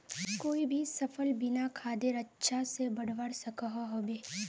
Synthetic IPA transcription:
koːibʱisɐfʰəlbɪnakʰaːd̪eɾɐtːʃʰasebɐɽ̤ʋəɽsɐkəɦaɦoːbeː

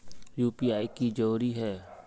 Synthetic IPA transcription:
juːpiːaːikid͡ʒəɾuːɾiɦɛː

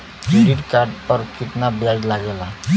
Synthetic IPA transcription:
ʈiɖkaɾɖpəɾkit̪nabjad͡ʒlaɡɛla

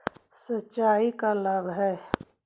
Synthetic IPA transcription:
sətːʃaːikalɐbɦɛː

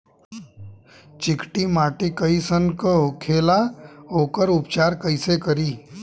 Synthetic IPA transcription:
t͡ʃikʈimaʈikəisənkəɦukʰelaɦokəɾupt͡ʃaɾkəjsekəɾiː

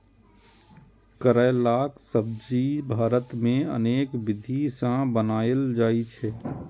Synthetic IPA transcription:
kəɾəlaːksəb̚d͡ʒibʱaːɾət̪mẽə̰neːkʋɪd̪ʱisãbənaːəld͡ʒaːit͡ʃʰɛː

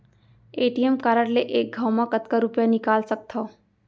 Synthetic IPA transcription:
eʈiemkaɾəɽleʔeːk̚ɡʱawmakət̪kaɾupjanikaːlsək̚t̪ʰɔ

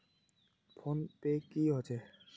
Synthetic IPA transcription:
pʰontekiɦot͡ɕʰe

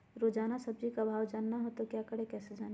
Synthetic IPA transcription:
ɾoːd͡ʒaːnasɐb̚d͡ʒikabʱaːʋwd͡ʒaːnːaɦot̪okjaːkəɽekɛːsed͡ʒaːn

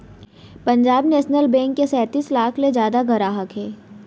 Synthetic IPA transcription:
pɐ̃ɲd͡ʒaːbnɛːʃnəlbɛ̃ːŋkːesɛːt̪iːslaːkʰled͡ʒjaːd̪aɡʱɐɾaːɦəkɦɛː

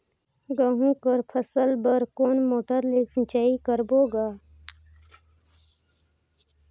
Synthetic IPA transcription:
ɡəɦũkəɾpʰəsəlbəɾkoːnmoːʈəɾleːksənt͡ʃaːikəɾboːɡaː

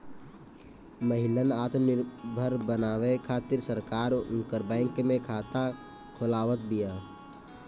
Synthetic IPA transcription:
məɦɪlənaːt̪nɪɾbʱəɾbənaːʋekʰaːt̪ɪɾsəɾkaːɾʊ̰ŋkəɾbɛ̃ːŋkmẽkʰaːt̪a | kʰʊlaːʋət̪̚bijaː

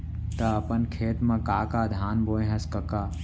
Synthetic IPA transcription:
t̪ɐɐpənkʰeːt̪mãkaːkaːd̪ʱaːnboːẽɦɐskɐkaː

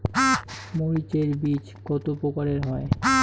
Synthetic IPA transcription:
moɾit͡ɕeɾbit͡ɕ | ɡɔt̪opokaɾeɾɦɔe

